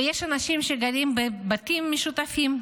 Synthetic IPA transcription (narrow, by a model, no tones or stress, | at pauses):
jeʃanaʃimʃeɡaɾimbebat̪imːeʃut̪afim